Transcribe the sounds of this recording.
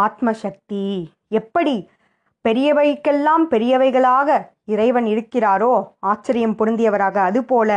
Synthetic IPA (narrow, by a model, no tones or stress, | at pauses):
aːt̪mɐʃɐk̚t̪i | ɛpːɐɽi | pɛɾɪjɐʋɐjkːɛlːaːmpɛɾɪjɐʋɐɪɣɐɭaːɣɐ | ɪɾɐɪʋɐnɪɽɯkːɪraːɾoːaːt͡ʃːɐɾɪjɐmpʊɾɯnd̪ɪjɐʋɐɾaːɣɐːðɯpoːlɐ